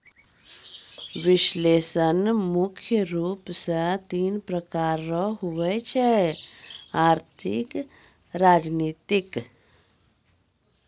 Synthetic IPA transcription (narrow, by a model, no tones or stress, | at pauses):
ʋɪʃleːsənmʊkʰjəɾuːpsə̃t̪iːnpɾəkaːɾːɔɦuʋɛt͡ʃʰɛ | aːɾt̪ʰɪ̰k | ɾaːd͡ʒniːt̪ɪk